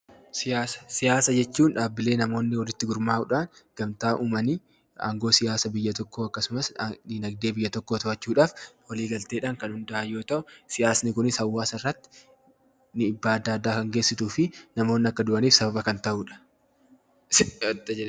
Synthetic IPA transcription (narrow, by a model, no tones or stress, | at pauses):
sɪjaːsɐ̥sɪjaːsɐd͡ʒɛt͡ʃːuːnᶑaːbːɪle̞ːnɐmo̞ːnːɪwɔlɪt̪ːɪɡʊɾmaːʔʊᶑaːnɡ̥ɐmt̪aːʔuːmɐniː | a̰ːŋɡo̞ːsɪjaːsɐbɪjːɐt̪ɔkːoːɐkːɐsʊmɐsd̪iːnɐɡ̚d̪eːbɪjːɐt̪ɔkːoːt̪ɐɐt͡ʃːuːᶑaːfwɔliːɡɐlt̪e̞ːᶑaːŋkɐnhʊnd̪ɐʔɐjo̞ːt̪ɐʔʊsɪjaːsnɪkʊnɪshɐwːaːsɐɪrːɐt̪ːɪ̥ | nɪɪbːaːɐd̪ːaːd̪ːaːkɐŋɡe̞ːsːɪt̪uːfɪnɐmo̞ːnːɪɐkːɐd̪ʊʔɐniːfsɐbɐbɐkɐnt̪ɐʔuːᶑɐ̥ | t̪ːɐd͡ʒɛɛ